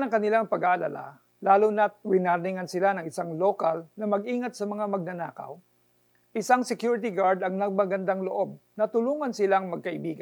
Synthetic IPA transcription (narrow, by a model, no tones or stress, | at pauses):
nɐŋkɐnɪlaŋpɐɡaːʔɐlɐ̰la̰ | laːlʊnɐt̪̚ɾɪnanɪŋɐnsɪlanɐŋʔɪsaŋloːkalnɐmɐɡʔiːŋɐt̪̚sɐmɐŋamɐɡ̚nɐnaːkɐ̰w | ʔɪsaŋsɛkjuːɹɪt̪ɪɡaɹd̪ɐŋnɐɡ̚mɐɡɐnd̪aŋloʔo̞b̚nɐt̪ʊluːŋɐnsɪlaŋmɐɡ̚kɐʔɪbiːɡa